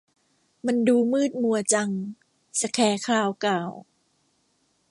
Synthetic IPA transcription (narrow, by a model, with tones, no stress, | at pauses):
ma˧nduː˧mɯː˥˩t̪̚mu˧ɐt͡ɕa˧ŋ | sa˧kʰɛː˧˦kʰaː˧wkaː˨˩w